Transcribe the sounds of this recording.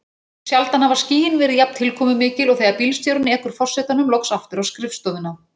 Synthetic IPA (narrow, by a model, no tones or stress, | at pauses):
sjalt̪anhavaɾ̥sciːɪnvɛɾɪðjap̚n̥t̪ʰɪlkʰɔːmʏmɪːcɪlɔɣθejɣaɾpilst̪jɔwɾʏnːɪɛhkʏɾ̥fɔr̥sɛːt̪anʏmlɔwksaft̪ʏɾawskɾɪfst̪ɔːðʏna